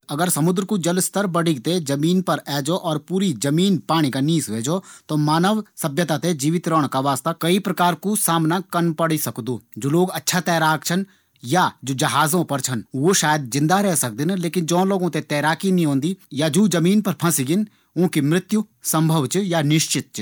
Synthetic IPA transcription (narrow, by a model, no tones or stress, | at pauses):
ɐɡəɾsɐmʊd̪ɾkud͡ʒɐlst̪əɾbɐɽɪɡt̪ed͡ʒɐmiːnpɐɾɛːd͡ʒoʔɔːɾpuːɾid͡ʒɐmiːnpaːɽ̃ikaniːsʋeːd͡ʒoːt̪omaːnəʋsɐbjət̪at̪ed͡ʒiːʋɪt̪ɾəɽ̃kaʋaːst̪akɐipɾɐkaːɾkusaːmnakɐnpɐɽisɐkd̪oːd͡ʒoːloːɡɐtːʃʰat̪ɛːɾaːkt͡ʃʰɐn | jad͡ʒoːd͡ʒɐɦaːzõpɐɾt͡ʃʰɐnʋoːʃaːjəd̪̚d͡ʒɪ̃nd̪aɾɛɦsɐk̚d̪ɪnleːkɪnd͡ʒõːloːɡõt̪et̪ɛːɾaːkinĩɦõːnd̪iːjad͡ʒuːd͡ʒɐmiːnpɐɾpʰɐ̃siɡɪn | ʊ̃kimɾɪt̪ju | sɐ̃mbʱəʋt͡ʃjanɪʃt͡ʃɪt̪̚t͡ʃ